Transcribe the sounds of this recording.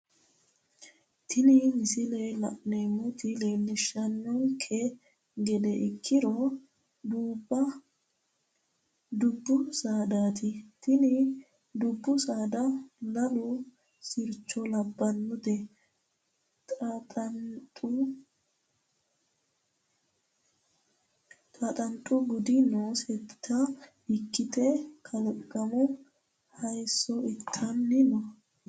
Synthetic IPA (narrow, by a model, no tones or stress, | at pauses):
t̪ʰɪnɪmɪsɪlelɐ̰ʔnemʊt̪ɪleːlːɪʃːɐnːɔŋkʰʼːɛ | ɡɛd̪ɛʔɪkʰːɪɾɔ | d̪uːbːɐ | d̪ʊbːʊsaːd̪aːt̪ʰɪt̪ʰɪnɪ | d̪ʊbːʊsaːd̪ɐlɐlʊ | sɪɾt͡ʃːɔlɐbːɐnːʊd̪ɛ | t̪ʼ | t̪ʼɐt̪ʼɐnt̪ʼʊɡʊd̪ɪnoːsɛtt̪ːɐ | ɪkːɪt̪ʰɛkʰɐlkʼːɐmʊ | hɐjsːɔɪt̪ʰːɐnːɪnɔ